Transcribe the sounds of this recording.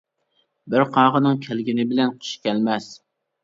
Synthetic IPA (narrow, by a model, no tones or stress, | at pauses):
bɪɾqʰɑːʁənɨŋkʲʰælɡʲɪnɪbɪlɛnqʰo̥ʃkʲɛlmɛs